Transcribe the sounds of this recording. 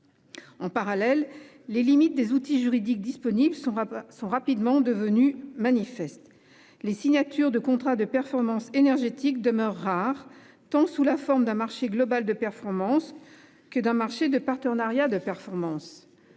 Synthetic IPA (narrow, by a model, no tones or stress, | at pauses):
ɑ̃paʁalɛlː | elimit̪̚d̪ezut̪iʒyʁid̪ik̚d̪ispɔniblssɔ̃ʁapid̪mɑ̃d̪əvənymanifɛst̪ | lesiɲat̪yʁd̪əkɔ̃t̪χad̪əpɛʁfɔʁmɑ̃senɛʁʒet̪ik̚d̪əmœʁːaʁ | t̪ɑ̃sulafɔʁmd̪ɛ̃maʁʃeɡlɔbald̪əpɛʁfɔʁmɑ̃s | kəd̪ɛ̃maʁʃed̪əpaʁt̪əʁnaʁjad̪əpɛʁfɔʁmɑ̃s